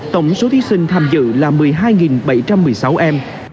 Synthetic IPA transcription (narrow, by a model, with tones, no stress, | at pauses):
t̪ə˧˩wŋ͡mso˨˦t̪ʰi˨˦sï˧ŋ̟t̪ʰaː˧mzɨ̰˧˨laː˨˩mɨ˨˩əjɦaː˧jŋi˨˩nɓə˧˩jt͡ɕa˧mːɨ˨˩əjsa˨˦wʔɛ˧m